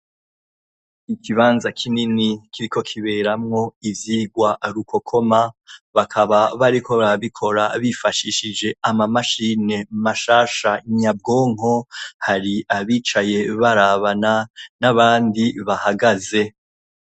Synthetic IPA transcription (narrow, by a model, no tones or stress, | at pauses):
ikʰiβaːnzakʰininikʰiɾikʰo̞kʰiβe̞ɾamŋo̞ivjiːɡwaɾukʰo̞kʰo̞maβakʰaβaβaɾikʰoβaβikʰo̞ɾaβifaʃiʃid͡ʒe̞amamaʃine̞maʃaːʃaɲab̚ɡo̞ːŋɦo̞haɾiʔaβiːt͡ʃaje̞βaɾaβananaβaːndiβahaɡaze̞